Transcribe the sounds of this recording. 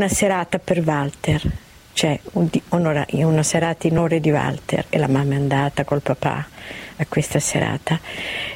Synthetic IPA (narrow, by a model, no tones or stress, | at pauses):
naseɾaːt̪apervalt̪er | t͡ʃɛud̪ionoɾa̰ʔiunaseɾaːt̪ainoːɾed̪iva̰lt̪ḛrḛlamamːaand̪aːt̪akolpapa̰akːwest̪asḛɾa̰ːt̪a